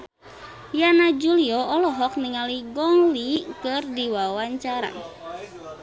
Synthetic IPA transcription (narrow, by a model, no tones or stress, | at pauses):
janad͡ʒuliɔɔlɔɦɔk̚niŋaliɡɔŋlikɨrdiwawaɲt͡ʃaɾa̰